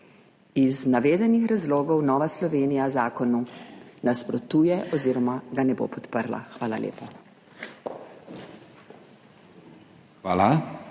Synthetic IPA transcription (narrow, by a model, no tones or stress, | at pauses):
iznaʋeːd̪ɛnixɾazloːɡɔwnɔːʋaslɔʋeːnijazaːkɔnunaspɾɔt̪uːjɛʔɔziːɾɔmaɡanɛbo̰ːpɔt̪pəɾla̰xʋaːlalḛːpa | xʋaːla